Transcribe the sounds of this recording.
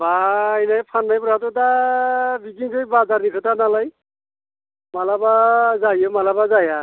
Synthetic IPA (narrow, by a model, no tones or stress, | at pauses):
bainajpʰanːajpuɾatʊta | bikiŋkʰojbazanikʰɔtanalaj | malabazajɔmalabazaja